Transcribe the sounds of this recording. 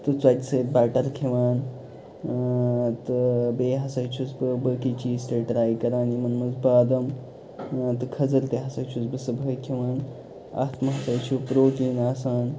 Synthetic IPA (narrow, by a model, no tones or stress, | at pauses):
t̪ɨt͡swɐt̪ʲsəːbaːʈɐɾkʰiʋaːn | t̪ɨbeːɦɐsɐjt͡ʃʰusbɨbəːkit͡ʃiːzt̪ɐʈɾaːjikɐɾaːnjimɐnmɐnzbaːd̪ɐm | t̪ɨkʰɐzɐlt̪eɦɐsɐjt͡ʃʰusbɨsɐbʱəjkʰiʋaːn | a̰ːt̪mɐɦɐsɐjt͡ʃʰupɾoːʈiːnaːsaːn